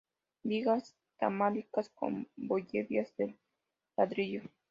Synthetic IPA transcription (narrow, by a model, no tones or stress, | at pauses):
biɣas | t̪a̰malikasko̰mboʎeβjazd̪elː | aðɾiʎo